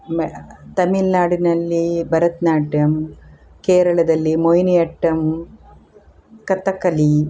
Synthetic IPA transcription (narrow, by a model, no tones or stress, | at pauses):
mt̪ɐmilnaːɽinɐlːibʱɐɾɐt̪naːʈjɐm | keːɾɐɭɐd̪ɐlːimojnijɐʈːɐm | kɐt̪ːɐkːɐli